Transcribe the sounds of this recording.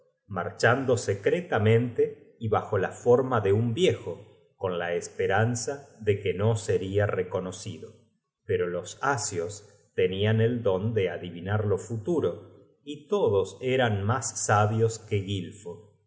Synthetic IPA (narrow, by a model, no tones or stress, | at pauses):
ma̰ɾt͡ʃand̪o̞sekɾet̪amẽ̞nt̪e | iβaxo̞lafo̞ɾmaðe̞umbje̞xo | ko̞nlaespeɾansaðe̞keno̞seɾiareko̞nosiðo | peɾolo̞sasjos | t̪eniane̞ld̪o̞nd̪eaðiβinaɾlo̞fut̪uɾo̞ | it̪oðo̞seɾanmasːaβjoskeɣilfo